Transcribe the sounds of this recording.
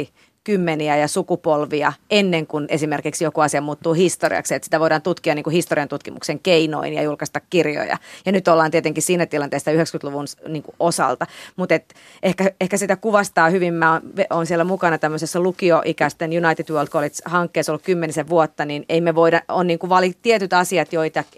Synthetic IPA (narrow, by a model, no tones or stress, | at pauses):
kymːeniæjɑsukupolʋiɑenːeŋkunesimerkiksjokuɑsiɑmuːt̪ːuːhist̪orḭɑ̰ksiet̪si̥t̪æʋoiɾɑːnt̪ut̪kiɑniːŋkuhist̪oriɑnt̪ut̪kimṵkseŋkeino̰injɑ̰julkɑst̪ɑkkirjo̰jɑ̰jɑnyt̪olːɑːnt̪iet̪eŋkissiːnæt̪ilɑnt̪eːˑisːɑyhekskyt̪luʋunniːŋkuʔosɑ̰lt̪ɑmut̪et̪ | ʔehkæehkæsit̪ækuʋɑst̪ɑːhyʋimːæonʋonsiɛlːæmukɑnɑt̪æmːøsesːɑlukioʔikæst̪enjunɑit̪id̪wøːlt̪kolit̪hɑŋkːeːsolːukymːeniseʋʋuot̪ːɑnineimeʋoidɑonniːŋkuʋɑlit̪iɛt̪yt̪ɑsiɑt̪joit̪ɑ